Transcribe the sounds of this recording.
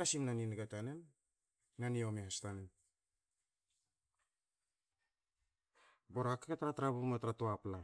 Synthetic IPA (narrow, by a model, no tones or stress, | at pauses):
asimnaninɡatanenː | aniomehastanen | boɾakaketɾatɾabumatɾatoapla